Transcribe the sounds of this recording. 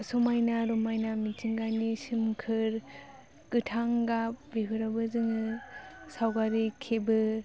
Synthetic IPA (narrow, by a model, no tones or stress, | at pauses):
sɔmajnaɾɔmajnamid͡ʒiŋɡanisɯmkʰɯɾ | ɡ̥ɯtʰaŋɡap̚bebʰʱɯɾabɯzɯŋɯsawɡaɾikʰebɯ